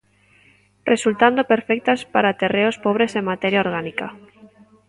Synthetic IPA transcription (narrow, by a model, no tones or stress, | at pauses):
result̪and̪opeɾfɛk̚t̪aspaɾat̪ereospɔβɾeseŋmat̪ɛɾjaoɾɣ̞anika